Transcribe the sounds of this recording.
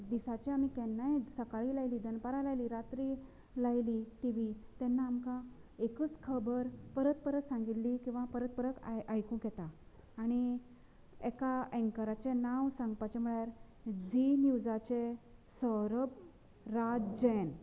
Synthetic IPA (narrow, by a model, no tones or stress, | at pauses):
d̪isat͡ɕeam̤ikɛnːajsəkaɭiːlajliːd̪ənpaɾalajliːɾat̪ɾi | lajliʈiʋit̪ɛnːaːmkaekət͡skʰəbəɾpəɾət̪̚pəɾəksãŋɡit̪liːkĩw̃ʋapəɾət̪̚pəɾəkajkũkɛt̪aː | ɽ̃i | ɛkaɛ̃ŋkəɾat͡ɕenaʋsãŋɡpat͡ɕem̤uɭjaɾ | d͡zinjud͡zat͡ɕesəɾəb | ɾad͡ʑen